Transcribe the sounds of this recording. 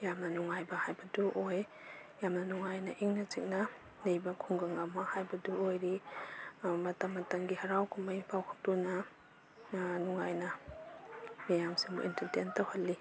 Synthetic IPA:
jamnɐnuŋajbɐhajbɐduʔoj | jamnɐnuŋajnɐʔiŋnɐzik̚nɐ | nejbɐkʰuŋɡaŋamahajbɐduojɾi | mɐtamːɐtɐŋɡihɐɾawkʰumajpʰawkʰḁk̚tunɐ | nuŋajnɐ | mijamsiŋbṵʔḭntɐɾtentawhɐlːi

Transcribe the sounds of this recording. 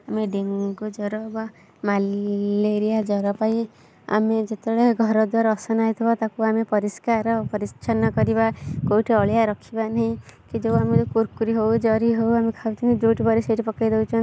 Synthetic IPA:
ameɖeŋɡud͡ʒɔɾɔba | malleɾijad͡ʒɔɾɔpaj | a̰med͡ʒet̪ebeɽeɡʱɔɾɔd̪waɾaːsɔnaɦit̪ʰibɔt̪akuamepɔɾiskaɾɔpɔɾist͡ʃʰanɔkɔɾibakowʈʰiɔɭijaɾɔkʰibanaɦĩkid͡ʒewamet̪kuɾkuɾiɦowd͡ʒɔɾiɦowamekʰawt̪ʰinid͡ʒowʈibɔɾiseʈipɔkajd̪ewt͡ʃʰɔ

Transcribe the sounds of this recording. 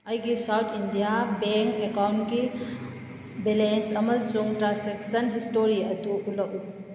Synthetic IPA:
ɐjɡisawt̪ʰindijabeŋkekawnki | belensɐmɐsuŋʈɾaseksənɦisʈoɾiɐt̪uuləʔu

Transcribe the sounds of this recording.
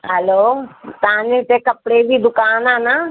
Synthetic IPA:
ɦɛloːt̪ãnẽt̪ekɐpɽebʱid̪ʊkaːnana

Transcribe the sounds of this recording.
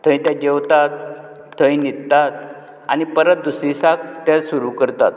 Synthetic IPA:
t̪ʰə̃j̃t̪jad͡ʑeʋt̪at̪̚ːʰ | ə̃jnid̪t̪at̪ | a̰nipəɾət̪̚d̪usisakt̪jasuɾukəɾt̪at̪̚

